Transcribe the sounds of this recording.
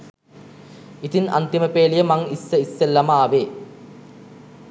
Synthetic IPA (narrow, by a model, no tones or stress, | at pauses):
it̪inɐ̰nt̪iməpeːlijəmɐŋisːɐisːelːɐmaːʋeː